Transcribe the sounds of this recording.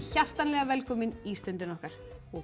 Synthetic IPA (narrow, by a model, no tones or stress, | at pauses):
çar̥t̪anlɛːɣavɛlkʰɔːmɪniːst̪œnt̪ɪnɔhkaɾ̥ | ɔ